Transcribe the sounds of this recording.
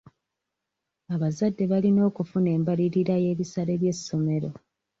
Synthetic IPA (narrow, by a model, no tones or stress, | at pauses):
aβazadːe̞βalino̞ːkufune̞ːmbaliɾiɾaje̞ːβisaɾeβje̞sːo̞me̞ɾo̞̰